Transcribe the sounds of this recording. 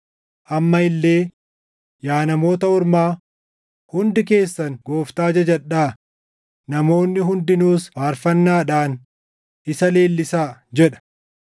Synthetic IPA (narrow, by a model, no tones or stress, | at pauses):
ʔɐmːɐɪlːe̞ː | jaːnɐmo̞ːt̪ɐʊɾmaː | hʊnd̪ɪke̞ːsːɐŋɡo̞ːft̪aːd͡ʒɐd͡ʒɐᶑaː | nɐmo̞ːnːɪɦʊnd̪ɪnuːsbaːɾfɐnːaːᶑaːn | ɪsɐle̞ːlːɪsaːd͡ʒɛᶑɐ̥